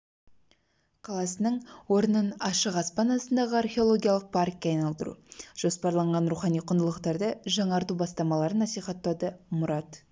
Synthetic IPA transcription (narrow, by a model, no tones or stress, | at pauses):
qʰɑlˠɑsənəɴwo̞ɾənənɑʃəqɑspɑnɑsənd̪ɑʁəɑrχʲeo̞lˠo̞ɡʲijalˠəq̚pʰaɾkʲɑjnɑlˠd̪əɾṵʒ̥o̞spɑɾlˠɑɴʁɑnɾuχɑnijqʰʊnd̪əlˠəqt̪ɑɾd̪əʒɑɴɑɾt̪ubɑst̪ɑmɑlˠɑɾənːɑsijχɑt̪ːɑd̪əmʊɾɑt̪